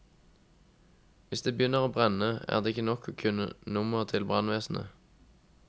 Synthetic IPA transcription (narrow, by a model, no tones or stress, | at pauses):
ʋɪsd̪eːbəjʏnːəʁoːbʁɛnəæ̰ːʁd̪eːɪçənɔkʰoːkʰʉnə̰nʊməʁt̪ʰɪlbʁɑnʋeːsn̩ə̰